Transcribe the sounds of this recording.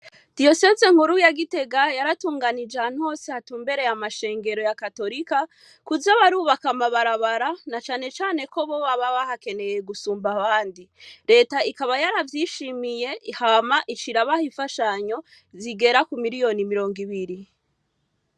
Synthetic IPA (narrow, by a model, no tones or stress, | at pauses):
d̥io̞sezeŋ̥huɾujaɡite̞ɡajaɾatuːŋɡanid͡ʒan̥ho̞ːsehatuːmbe̞ɾe̞jamaʃe̞ːŋɡe̞ɾo̞jakato̞ɾika | kuzaβaɾuːβakamaβaɾaβaɾanat͡ʃaːne̞t͡ʃaːne̞ko̞βo̞βaβaβahake̞ne̞jeɡusuːmbaβaːndiɾe̞ːtaikaβajaɾavjiʃimije̞hamaʔit͡ʃiɾaβahiɱfaʃaɲo̞ | ziɡe̞ɾakumiɾijo̞nimiɾo̞ːŋɡiβiɾi